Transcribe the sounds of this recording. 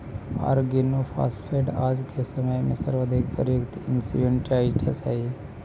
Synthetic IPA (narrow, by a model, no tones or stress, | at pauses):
a̰ːɾɡinopʰa̰ːsʈfʰeːɖaːd͡ʒkesəməjmḛ̃səɾʋəd̪ʱik̚pəɾjukt̪iɪnsḭɖeɳʈaiʈ̪ʰesa̰i